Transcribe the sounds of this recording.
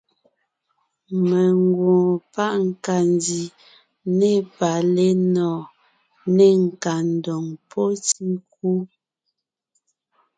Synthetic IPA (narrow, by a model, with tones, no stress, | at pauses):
me˨ŋɡwɔ̃ː˨pa˦ʔŋ̩˨ka˨ndi˨ | ne˦˨pa˨le˦nɔː˨ | ne˦ŋ̩˨ka˨n̩˨dɔ˨ŋpʰɔ˦ti˦ŋk̚u˦